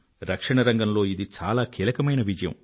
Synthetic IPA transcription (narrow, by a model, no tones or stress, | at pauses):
ɾɐkʂɐɳɐɾɐŋɡɐmlo̞ːid̪it͡ʃa̰ːlaːkʰiːlɐkɐmɐjnɐʋid͡ʒɐjɐ̰m